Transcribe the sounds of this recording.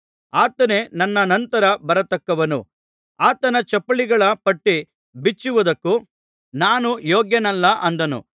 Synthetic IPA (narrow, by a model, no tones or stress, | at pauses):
aːt̪ɐne̞nɐnːɐnɐnt̪ɐɾɐbɐɾɐt̪ɐkːɐʋɐnṵ | aːt̪ɐnɐt͡ʃɐpːɐɭiɡɐɭɐpɐʈːi | bit͡ʃːuʋɐd̪ɐkːu | naːnujoːɡjɐnɐlːɐʔɐnd̪ɐnṵ